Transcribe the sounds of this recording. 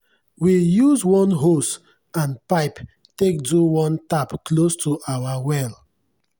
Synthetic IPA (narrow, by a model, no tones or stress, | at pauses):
wijuzwɔ̃nɦos | ãnpaɪp | tek̚duwɔ̃ntapklostʰuʔawawɛl